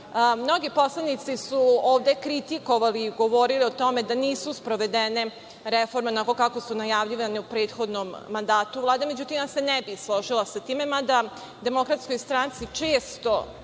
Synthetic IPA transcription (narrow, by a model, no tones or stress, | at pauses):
mno̞ɡipo̞slˠanit̪sisuoːʋd̪e̞kɾit̪iko̞ʋaliːɡo̞ʋo̞ɾilio̞t̪o̞me̞d̪aniːsuspɾoʋed̪ene̞ | ɾefo̞ɾmeonakokako̞sunajaʋʎiʋaneupɾeːt̪xo̞d̪nomːand̪aːt̪uʋlˠaːd̪eme̞d͡ʑut̪imase̞nɛbislˠo̞ʒilasat̪iːme̞mad̪a | d̪e̞mo̞kɾat̪sko̞jst̪ɾant̪sit͡ʂe̞ːst̪o̞